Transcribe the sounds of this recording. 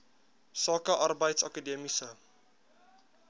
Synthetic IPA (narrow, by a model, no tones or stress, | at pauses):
sɔːkəʔarbɐjtsakədimisə